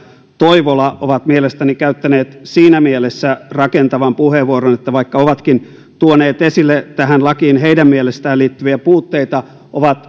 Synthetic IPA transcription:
t̪oiʋolɑʔo̰ʋɑt̪mielest̪ænikæyt̪ːæneːt̪siːnæmielesːærɑkent̪ɑʋɑmpuheʋuoɾonet̪ːæʋɑikːɑoʋɑt̪kin | t̪uoneːt̪esilːet̪æhænlɑkiːnɦeijdæmmielest̪æːliːt̪ːyʋiæpuːt̪ːeit̪ɑ | ʔoʋɑt̪

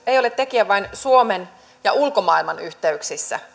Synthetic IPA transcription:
eijo̞let̪t̪ekiæʋɑinsuomen | jɑʔulko̞mɑilmɑnyht̪eyksisːæ̰

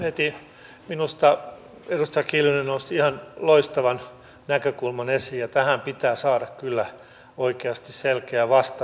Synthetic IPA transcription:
het̪i | minust̪ɑ | erust̪ɑjɑkiːljunenoust̪iihɑnloist̪ɑʋɑn | nækøkulmɑnesiːjjɑt̪æhæmpit̪æːsɑːdɑkkylːæ | oikeɑst̪isselkeæʋɑst̪ɑ

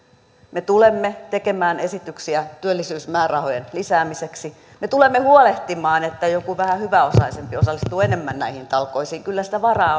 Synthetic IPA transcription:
met̪ulemːet̪ekemæːnesit̪yksiæt̪yølːisyːsmæːrɑhojenlisæːmiseksi | met̪ulemːehuoleht̪imɑːnet̪ːæjokuʋæhæhyʋæosɑisempiosɑlːist̪uːenemːænnæihint̪ɑlkoisiːŋkylːæsi̥t̪æʋɑrɑː

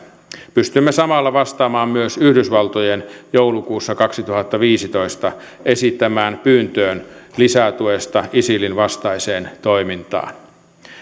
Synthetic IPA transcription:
pyst̪ymːesɑmɑlːɑʋɑst̪ɑːmɑːmmyøsyhdysʋɑlt̪ojenjoulukuːsːɑkɑksit̪uhɑt̪ːɑʋiːsit̪oist̪ɑ | ʔesit̪ːæmæːnpyːnt̪øːnlisæt̪uest̪ɑʔisilinʋɑst̪ɑiseːnt̪oimint̪ɑ̰ːn

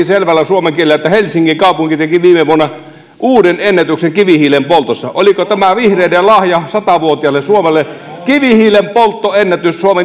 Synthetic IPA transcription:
iselʋælːæsuomeŋkielːˑæet̪ːæhelʲsiŋkiŋkɑˑupuŋkit̪ekiʋiːmeʋuonːɑ | ʔuːdenenːæt̪ykseŋkiʋihiːlempolt̪osːɑʔolikot̪æmæʋihreˑinelɑhjɑsɑt̪ɑʋuot̪iɑlːessuomelːekiʋihiːlempolt̪ːoenːæt̪yssuome

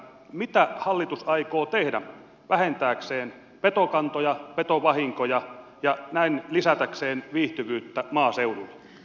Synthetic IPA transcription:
mit̪æhɑlːit̪usɑikoːt̪ehdæ̰ | ʋæhent̪æːkseːn | pet̪okɑnt̪ojɑpet̪oʋɑhiŋkojɑ | jɑnæinlisæt̪ækseːnʋiːht̪yʋyːt̪ːæmɑːseululːe

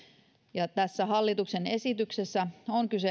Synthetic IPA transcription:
jɑt̪æsːæɦɑlːit̪uksene̞sit̪yksesːæoŋkyse

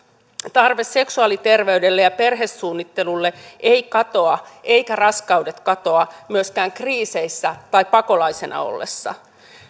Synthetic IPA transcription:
t̪ɑrʋe̞sːe̞ksuɑlit̪e̞rʋe̞ydelːejɑpe̞rɦe̞sːuːnːit̪ːe̞lulːe̞ʔeijkɑt̪o̞ɑʔe̞ikærɑskɑude̞t̪kɑt̪o̞ɑmyøskæːŋkriːse̞isːæt̪ɑipɑko̞lɑjse̞nʔɑ̰o̰lːe̞̰sːɑ̰

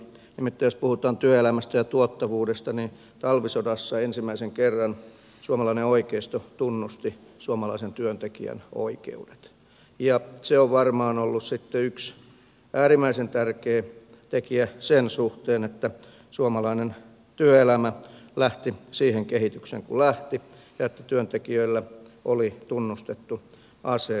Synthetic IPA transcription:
nimit̪ːæːjospuhut̪ɑːnt̪yøelæmæst̪æjɑt̪uot̪ːɑʋuːdest̪ɑnin | t̪ɑlʋisodɑsːɑensimːæiseŋkerːɑn | suomɑlɑineoikeist̪ot̪unːust̪isuomɑlɑisent̪yønt̪ekḭæ̰no̰ikḛude̥t̪ | jɑseoʋʋɑrmɑːnolːussit̪ːeyks | æːɾimːˑæisent̪ærkeː | t̪ekiæsensuht̪eːnet̪ːæ | suomɑlɑinen | t̪yøelæmælæht̪isiːheŋkehit̪yksḛŋkṵlæht̪i | jɑet̪ːæt̪yønt̪ekiøilːæ | ʔolit̪unːust̪et̪ːu | ʔɑse

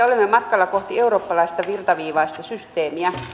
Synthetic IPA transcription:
olemːemɑt̪kɑlːɑkoht̪ieuroːpːɑlɑist̪ɑʋirt̪ɑʋiːʋɑist̪ɑsyst̪eːmiæ

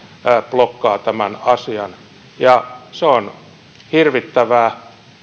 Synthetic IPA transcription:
plokːɑːt̪æmænɑsiɑn | jɑseon | hirʋit̪ːæʋæː

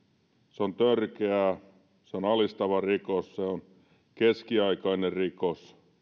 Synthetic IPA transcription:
seont̪ørkeæˑ | seonɑlist̪ɑʋɑrikosseon | keskiɑikɑinerrikos

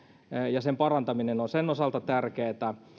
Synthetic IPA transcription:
jɑsempɑrɑnt̪ɑminenonsenosɑlt̪ɑt̪ærkeːt̪æ

